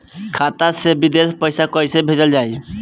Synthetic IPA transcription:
kʰaːt̪asebɪd̪eːspəɪsakəisebʱeːd͡ʒəld͡ʒaːi

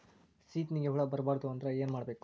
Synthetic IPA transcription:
siːt̪niɡeɦuɭɐbɐɾbaːɾd̪uɐnd̪ɐɾɐe̞ːnmaːɽbeːku̥

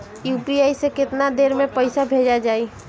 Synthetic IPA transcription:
juːpiaːisekɪt̪nad̪eːɾmẽpəɪsabʱed͡ʒad͡ʒaːi

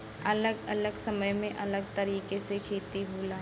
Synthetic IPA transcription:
ɐləɡɐləɡsɐməjmẽʔɐləɡ̚t̪ɐɾiːkesekʰeːt̪iɦuːlaː

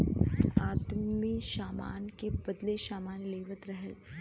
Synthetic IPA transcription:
aːt̪miʃaːma̰ːnkebɐd̪leʃaːmaːnleːʋət̪ɾɐɦəl

